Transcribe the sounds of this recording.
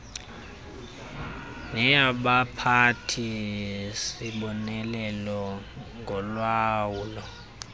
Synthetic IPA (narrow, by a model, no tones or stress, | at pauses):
nɛaɓapʰatʰi | siɓɔnɛlɛlɔ | ŋɡʱɔlwaːwuːlɔ